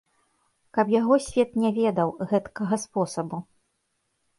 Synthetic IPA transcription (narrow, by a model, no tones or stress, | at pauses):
kɐpjaɣɔsʲvʲɛt̪nʲɛvʲɛd̪ɐwɣɛt̪kɐɣɐspɔsɐbu